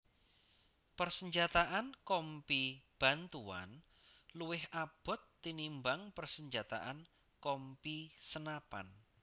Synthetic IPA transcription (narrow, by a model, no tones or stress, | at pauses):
pərsəɲd͡ʒat̪aʔankɔmpib̥a̤nt̪ua̰n | luwɪhab̥ɔ̤t̪ːinimbaŋpərsəɲd͡ʒat̪a̰ʔan | kɔmpisənapa̰n